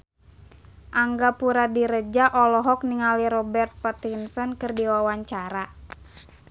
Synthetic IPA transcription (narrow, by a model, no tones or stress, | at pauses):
ʔaŋɡapuɾadiɾəd͡ʒaʔɔlɔɦɔk̚niŋaliɾɔbɛrt̪̚pat̪insɔnkɨrdiwawaɲt͡ʃaɾa